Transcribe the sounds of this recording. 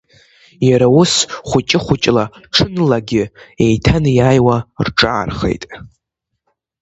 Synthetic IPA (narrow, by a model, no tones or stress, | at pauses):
jaɾawʊsχʷʊt͡ʃʼɪχʷʊt͡ʃʼlaʈ͡ʂʰɨnlaɡʲɪejtʰanjaːjwarʈ͡ʂʼaːrχe̞̰jtʼ